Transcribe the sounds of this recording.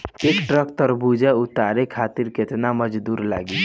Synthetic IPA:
ekʈɾəkt̪əɾbud͡ʒɛut̪aɾekʰat̪iɾket̪naməd͡ʒd̪uːɾla̰ɡi

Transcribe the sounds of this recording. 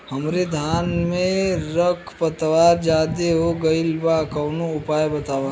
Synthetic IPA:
hɐmɾed̪ʱaːnmẽɾəkʰpət̪ʋaːɾd͡ʒaːd̪eɦoɡəɪlbakɐwnoʊpaːjbɐt̪aːʋãː

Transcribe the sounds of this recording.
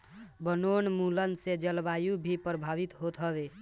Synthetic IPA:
bənonmulənsed͡ʒəlbajubʱipɾəbʱaβit̪ɦot̪ɦʌbe

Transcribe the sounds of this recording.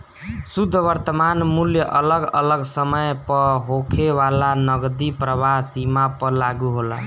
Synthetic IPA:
sud̪ʱːəʋəɾt̪əmanmuljəʔələɡə̰ləɡsəməjpəɦokʰeʋalanəɡd̪ipɾəβaɦsimapəlaɡuɦola̰

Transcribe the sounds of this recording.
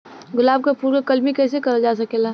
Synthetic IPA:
ɡʊlaːb̚kapuːɾkekɐlmikɛːs̬ekɐɾad͡ʒaːs̬ɐkeːla

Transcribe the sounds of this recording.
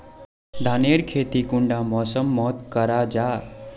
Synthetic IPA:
d̪ʱaneɾkʰeːt̪ikʊɳɖamɔːsəmːɔːt̪kəɾad͡ʒaː

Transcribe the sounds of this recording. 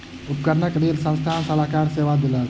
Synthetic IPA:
up̚kəɾnəkɾelsə̃nst̪ʰansəlakaɾseʋad̪eləl

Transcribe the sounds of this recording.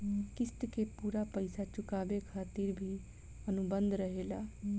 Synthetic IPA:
kɪst̪kepuːɾapəɪsat͡ʃʊkaːbekʰaːt̪iɾbʱi | ənʊbə̃nd̪ʱɾəɦelaː

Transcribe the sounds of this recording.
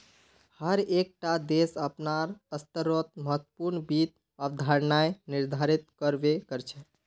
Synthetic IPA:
həɾek̚ʈad̪esəpnaɾəst̪əɾot̪̚məɦət̪puɾnbit̪̚ | əbd̪ʱaɾnajniɾd̪ʱaɾit̪̚kəɾbekəɾt͡ʃʰɛ

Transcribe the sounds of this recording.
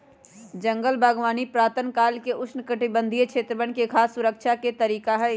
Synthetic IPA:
d͡ʒə̃ŋɡəlbʱaːɡʋaːnipɾaːt̪ənkaːlkeʔʊsnkəʈɪbə̃nd̪ʱijt͡ʃʰeːt̪ɾəʋənkekʰaːsːʊɾəkʃʰaket̪ɐɾiːkaɦɛ

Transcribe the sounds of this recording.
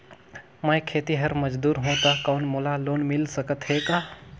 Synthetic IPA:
məjkʰeːt̪iɦəɾməd͡ʒd̪uːɾɦõt̪akaʊnmolaloːnmɪlsəkət̪ɦeka

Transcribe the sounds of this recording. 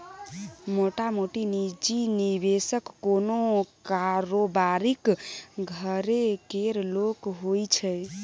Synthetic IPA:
moʈamoʈinid͡ʒinibesəkːonokaɾobaɾikɡʱəɾekeɾlokɦojt͡ʃʰɛj

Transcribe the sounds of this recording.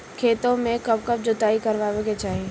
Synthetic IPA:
kʰeːt̪õmẽkəb̚kəb̚d͡ʒʊt̪aːikəɾʋaːʋeɡet͡ʃaːɦe

